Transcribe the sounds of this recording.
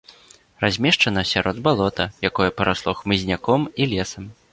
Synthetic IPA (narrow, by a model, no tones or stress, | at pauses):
razʲmʲɛʂt͡ʂɐnɐsʲaɾʔɔd̪balˠɔt̪ɐjakɔjɐpɐɾaslˠɔxmɨzʲnʲakɔmilʲɛsɐm